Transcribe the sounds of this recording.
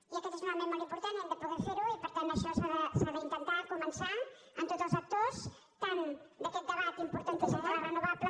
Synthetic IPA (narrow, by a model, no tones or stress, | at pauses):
iəkɛt̪ezunmamenmolimpuɾt̪aneld̪əpuðɛɾfeɾuipəɾt̪ant̪əʃɔsaðəsaðəint̪ənt̪akumənsa | ənt̪ot̪zəlˠzək̚t̪os | t̪and̪əkɛt̪̚d̪əβat̪impuɾt̪ant̪esət̪aɾarənuβaplə